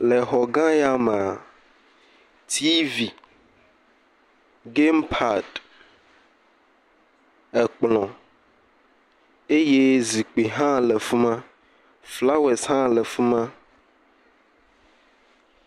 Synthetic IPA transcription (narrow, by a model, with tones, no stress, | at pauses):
lɛ˨ɦɔ˨ɡã˦ja˦me˨a˨ | t̪ʰi˦vi˨ | ɡe˦mpʰa˨d | ɛ˨k͡plɔ̃˨ | e˦je˦zi˨k͡pi˨ɦã˦lɛ˨fu˦mã˦ | fla˦wɛ˨sɦã˦lɛ˨fu˦mã˦